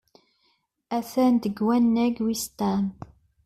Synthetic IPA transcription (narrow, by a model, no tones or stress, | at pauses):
æθænd̪əɡwænːæɡwist̪æn